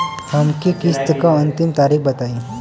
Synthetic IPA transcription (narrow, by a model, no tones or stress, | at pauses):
tʰamkikist̪kaənt̪imt̪aɾiːkbət̪ai